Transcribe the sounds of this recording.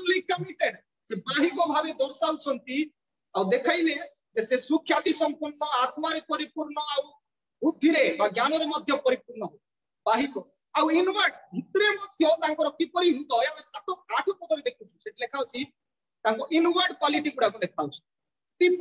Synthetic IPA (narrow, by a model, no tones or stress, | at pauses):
likamiʈeɳ | sebaɦikɔbʱabed̪ɔɾsawt͡ʃʰɔnt̪i | awd̪ekʰajle | d͡ʒesesukʰjat̪isɔmpuɾɳɔat̪maɾepɔɾipuɾɳɔaw | ud̪ʱːiɾebaɡjanɔɾemɔd̪ʱjɔpɔɾipuɾɳɔɦɔ | baɦikɔ | awinwaɾɖɦut̪ɾemɔd̪ʱjɔt̪aŋkɔɾɔkipɔɾiɦud̪ɔjamesat̪ɔkaʈʰɔkɔd̪ɔɾid̪ekʰut͡ʃʰu̥seʈilekʰawt͡ʃʰi | t̪aŋkɔʔinwaɾɖkwaliʈiɡuɽakulekʰawt͡ʃʰɔ̥ | t̪i